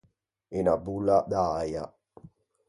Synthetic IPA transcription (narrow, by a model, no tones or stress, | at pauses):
inabulːad̪aaja̰